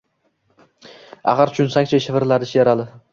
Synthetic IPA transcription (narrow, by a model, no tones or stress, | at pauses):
a̰ʁaɾt͡ʃʰʊnsaŋʲt͡ʃʰaʃɪvɪɾlaɾɪʃjaɾalɪ